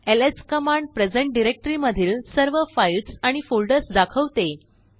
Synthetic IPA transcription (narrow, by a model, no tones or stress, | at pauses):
eleskəmaɳɖpɾed͡zeɳʈ̚ɖiɾek̚ʈəɾiməd̪ʱiːlsəɾʋəfailʈsaɽ̃ifolɖəɾsd̪akʰəʋt̪e